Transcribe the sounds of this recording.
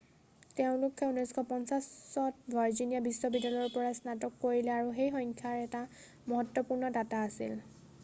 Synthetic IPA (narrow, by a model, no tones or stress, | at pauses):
teʊ̃lʊkʰːɛunɔjskʰɔpɔnsasːɔtbʱaɹzinijabisːɔbidalɔɹpɔɹasnatɔkːoɹilɛaɹuxejxɔŋkʰaɹɛta | mɔɦɔtːɔpuɹnɔdataːsḭl